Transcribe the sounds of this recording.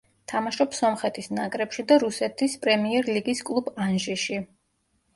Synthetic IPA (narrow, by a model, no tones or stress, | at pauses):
t̪ʰamaʃɔpsɔmχɛt̪ʰisnakʼɾɛpʃid̪aɾusɛt̪ʰispʼɾɛmiɛɾliɡiskʼlˠubanʒiʃi